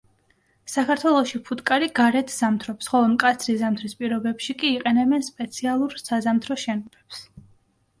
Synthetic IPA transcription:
sakʰaɾt̪ʰwɛlˠɔʃipʰut̪ʼkʼaɾiɡaɾɛt̪ʰz̥amt̪ʰɾɔpsχɔlˠɔmkʼat̪sʰɾizamt̪ʰɾispʼiɾɔbɛpʃikʼiːqʼɛnɛbɛnspʼɛt̪sʰialˠuɾsazamt̪ʰɾɔʃɛnɔbɛps

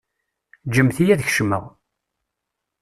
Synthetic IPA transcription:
d͡ʒəmθijæðçʃmə̰ʁ

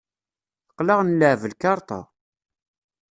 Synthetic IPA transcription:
θə̥qːlɑʁnlːəʕvəlkɑɾˤt̪ˤɑ̰

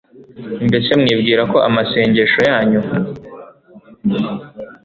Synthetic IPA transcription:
imbe̞se̞mŋiːbɡiːɾako̞ʔa̰mase̞ːɲɟe̞ʃo̞jaːɲu

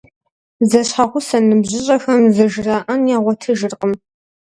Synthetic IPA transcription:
zɐɕħaχʷʊsɐnɨbʑɪɕʼɐxɐmzɐʒɨraːʔɐnjaːʁʷɔtʰɨʒɨrqəm

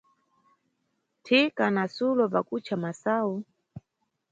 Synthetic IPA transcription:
tʰikanasulɔpakut͡ʃʰamasaːu

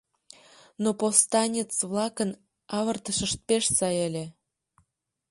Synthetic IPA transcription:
nopost̪ɑnʲet͡sβlɑkən | ɑβərt̪əʃəʃt̪̚peʃsɑjelʲĕ

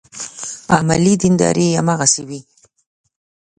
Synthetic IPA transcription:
amalid̪ɪnd̪ɑ̰ɾʔeamaɣasewi

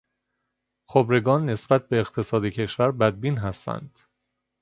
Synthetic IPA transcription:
xobɾe̞ɡɒːnːe̞sbæt̪̚ʰbe̞ːqt̪ʰe̞sɒːd̪ecʰe̞ʃvæɾbæd̪̚biːnɦæst̪ʰæ̰nd̪̥

